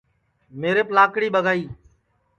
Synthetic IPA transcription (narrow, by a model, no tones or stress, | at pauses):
meːɾeplaːkɽiːɓəɡʱaːiː